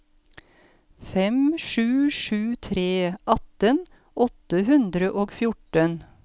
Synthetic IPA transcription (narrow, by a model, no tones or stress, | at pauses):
fɛmʃʉːʃʉːt̪ʰɾeːʔɑt̪ən | ʔɔt̪əhʉnd̪ɾəʔoːɡfjʊʈən